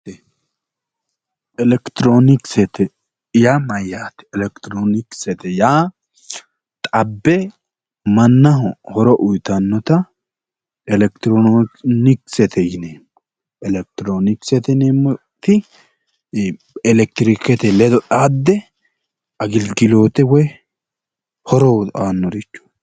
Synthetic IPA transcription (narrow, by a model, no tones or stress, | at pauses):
ɛlɛkt̪ɾonɪksɛt̪ɛ | jaːmɐjːaːt̪ɛ̥ɛlɛkt̪ɾonɪksɛt̪ɛjaː | t̪ʼɐbːɛ | mɐnːɐɦʊhɔɾɔʔʊjt̪ɐnːɔt̪ɐ | ɛlɛkt̪ɪɾonɪksɛt̪ʰɛjɪneːm | ɛlɛk̚t̪ɾonɪksɛt̪ɛneːm | t̪ɪ | ɛlɛk̚t̪ɾɪkɛt̪ɛlɛd̪ɔᶑaːd̪ːɛ | ɐɡɪlɡɪloːt̪ɛwɔj | hɔɾɔanːɔɾɪt͡ʃːɔ̥